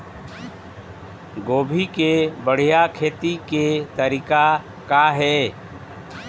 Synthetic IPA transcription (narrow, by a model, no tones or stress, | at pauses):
ɡoːbʱikebəɽ̤ijakʰeːt̪iket̪əɾiːka | kaɦɛː